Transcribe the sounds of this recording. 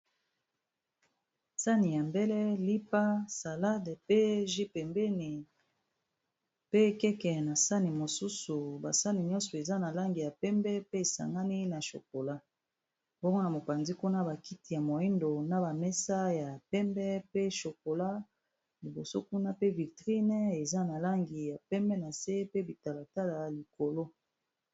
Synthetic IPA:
sa˦ni˨ja˨mbɛ˦lɛ˦li˦pa˦sa˨la˦dpe˦ʒi˦pɛ˨mbɛ˦ni˨ | pe˦kɛ˦kɛ˨na˨sa˦ni˨mo˨su˦su˨ba˨sa˦ni˨ɲɔ̃˦nsɔ˨e˨za˦na˨la˦ŋɡi˨ja˨pɛ˦mbɛ˦pe˦e˨sa̰˨ŋɡa˦ni˦na˨ʃo̰˨k̚o˨la˦ | b̥o˦ŋɡo˦na˨mo˨pa˨nzi˦ku˦na˦ba˨ki˦ti˨ja˨mo˨i˦ndo˨na˦ba˨mɛ˦sa˦ja˨pɛ˦mbɛ˦pe˦ʃo˨ko˨la˦ | li˨bo˨so̰˦ku˦na˦pe˦vi˨tʁi˦n˦e˨za˦na˨la˦ŋɡi˨ja˨pɛ˦mbɛ˦na˨se˦pe˦bi˨ta˨la˨ta˦la˨li˨ko˨lo˦

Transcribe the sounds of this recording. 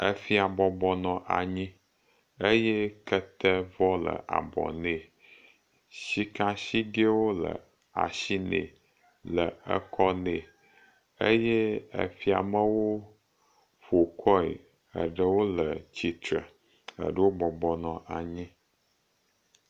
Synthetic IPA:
ə˦fi˦a˨bɔ˨bɔ˨nɔ̃˨ʔa˨ɲĩ˦ | ə˦jɛ˦kə˦t̪ə˦vɔ˦lə̰˨ʔa̰˨bɔ̰˨ne˨ | ɕi˦kã˦ɕi˦ɡe˦wo˦lə̰˨ | a̰˨ʃi˦nḛ̃˨ | lə˨ə̰˦kʰɔ˦ne˨ | ə˦jɛ˦ə̰˨fi˦a̰˨mə˦wo˦ | ɸo˨kʰɔ˦ḛ˨ | ə̰˨ɖə˦wo˦lə˨t͡ɕi˨t̪ɾə˨ | ə̰˨ɖə˦wo˦bɔ˨bɔ˨nɔ̃˨ʔa˨ɲĩ˦

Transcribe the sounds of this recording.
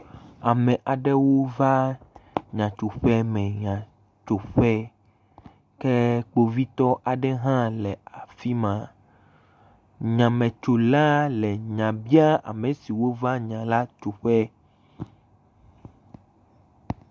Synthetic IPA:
a˨mɛ̃˨ʔa˨ɖe˦wo˦va˦ | ɲã˨t͡ʃo˨ɸɛ˦mɛ̃˨ɲã˨ | t͡ʃo˨ɸɛ˦ | ke˦k͡po˦vi˦t̪ɔ˦ʔa˨ɖɛ˦ɦã˦lɛ˨a˨fi˦mã˨ | ɲã˨mẽ˨t͡ʃo˨la˦lɛ˨ɲã˨bi˦a˦a̰˨mẽ˨si˨wo˦va˦ɲã˨la˦t͡ʃu˨ɸɛ˦

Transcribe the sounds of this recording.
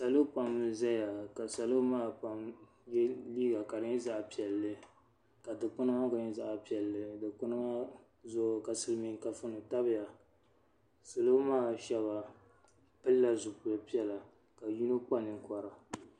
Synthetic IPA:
sa˨lo˦pa˨mɨ˦za˦ja˨ka˨sa˨lo˦maː˦˨pa˨m | jɛ˦liː˦ɡa˨ka˨dɨ˦ɲ˦za˦ʔpi˨ɛ˨lːɨ˦ | ka˨dɨ˨k͡pʊ˦nɨ˦ma˦ɡa˦ɲ˦za˦ʔa˨pi˨ɛ˨lːɨ˨dɨ˨k͡pʊ˦nɨ˦ma˦ | zʊ˦˨ka˨sɨ˨lmi˨ŋka˨fɨ˦nɨ˨ta˦bɪ˨ja˨ | sa˨lo˦maː˦ʃɛ˦βa˨ | pɨ˦lːa˦zʊ˨pʊ˨la˨pi˦ɛ˦la˨ | ka˨ju˦no˦k͡pa˦nɨ˨ŋkɔ˨ɾa˨

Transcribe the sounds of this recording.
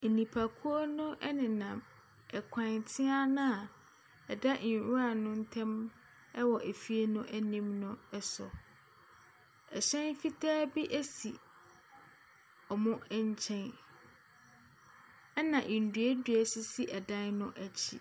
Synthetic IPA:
nĩ˨pʰa˨kʰu˦o˦nʊ̃˦ʔɛ˦nɪ̃˨nã˨m | ɛ˨kʷʰã˨ntʰɪ˦a˦nʊ̃˦a˨ | ɛ˨da˦ʔɾu˦a˨nʊ̃˦n̩˦tʰɛ̃˦m | ɛ˦wɔ˨ʔæ˨fi˦e˦nʊ̃˦ʔæ˦nĩ˦mnʊ̃˦ɛ˦sɔ̰˨ | ɛ˨ɕɛ̃˦nfi˦tʰaː˦bi˦ʔæ˦si˨ | ɔ˨mʊ̃˦ɛ˦ɲ˦t͡ɕʰɛ̃˦n | ɛ˦nã˨ʔĩ˨n̩˨du˨e˦dɥɛ˦sɪ˦si˦ʔɛ˨dã˦nnʊ̃˦ʔæ˨t͡ɕʰḭ˨

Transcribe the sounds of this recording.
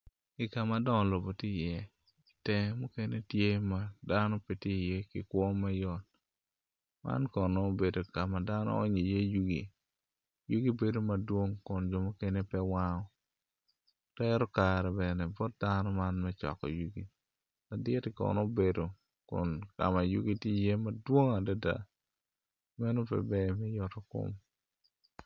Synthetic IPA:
ɪ˨ka˨ma˨dɔ˦ŋ˨lo˨bo˨ti˦˨jɛ˦ | tɛ˨mu˦ke˦ne˦tje˦ma˨da˦nɔ˦pe˨ti˦jɛ˦kɪ̰˨kwɔ˦ma˦jɔ˨t | ma̰˦nkɔ˨nɔ˦be˨do˨ka˨ma˨da˦nɔ̰˦ɔ̰˦ɲe˨je˦ju˦ɡḭ˨ | ju˦ɡi˦be˨do˦ma˨dwo˦ŋkʊ˨nd͡ʒɔ˨mo˦ke˦ne˦pɛ˦wa˦ŋɔ˦ | tɛɾɔ˦kaɾɛ˨bɛnɛbɔ˦t̚danɔ˦ma˦nmɛt͡ʃɔ̰˨kɔ̰˨ju˦ɡi˨ | la˨dɪ˦tɪkɔ̰˨nɔ˦be˨do˨ | kʊ̰nka̰˨ma˨jṵ˦ɡi˦ti˦je˦madwo˦ŋa˨da˦da̰˨ | mɛ˦no˦pɛ̰˨bɛ˦mɛ˦jɔtɔ˦kʊ̰˦m

